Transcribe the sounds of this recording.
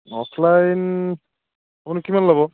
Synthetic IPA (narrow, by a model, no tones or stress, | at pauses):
ɔpʰlajn | apʊnukimanlaβɔ